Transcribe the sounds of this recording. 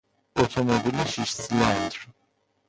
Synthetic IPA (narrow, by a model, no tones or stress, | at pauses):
ot̪ʰomobilʲiʃiʃslʲand̪ɾ